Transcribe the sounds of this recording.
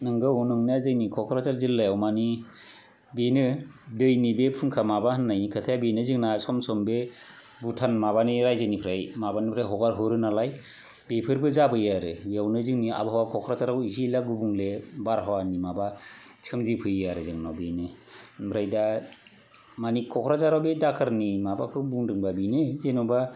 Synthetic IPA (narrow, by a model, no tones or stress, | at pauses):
nɯŋɡɯnɯŋniazɯjnikʰɔkʰɾat͡ʃaɾzɯlːajawmani | binɯ | dɯjnibepʰɯŋkʰamabahɯnːajkʰɯtʰajabinɯzɯŋnasɔmsɔmbe | butʰanmabaniɾajzɯnipʰɾajmabanipʰɾajɦɔɡaɾɦɯɾɯnalaj | bepʰɯɾbɯzabɯjaɾɯbiawnɯzɯŋnia̰baɦawakʰɔkʰɾazaɾawizilaɡubuŋlebaɾɦawanimabat͡ʃʰɯmzipʰɯjaɾɯzɯŋnabinɯbɾajda | manikʰːɔkʰɾazaɾawbedakʰɯɾnimabakʰɯbuŋdɯŋbabinɯzenɔba